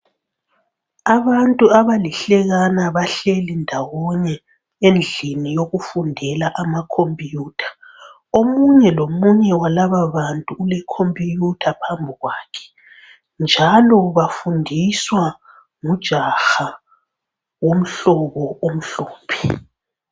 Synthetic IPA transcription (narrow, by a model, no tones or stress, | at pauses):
aβantʼuaβaliɬɛɣanaβaɬelindʱawɔɲɛ | end͡ɮʱinijoɣufundʱɛlaʔamakʰompʼijuːtʰḁ | omuɲɛlomuɲɛwalaβaβantʼuulɛkʰompʼijutʰapʰambʱiɣwaːkʰɛ̥ | nd͡ʒʱalɔβafundʱiswa | ŋud̥ʒ̥ʱaxa | wom̩ɬɔβɔom̩ɬoːpʰi̥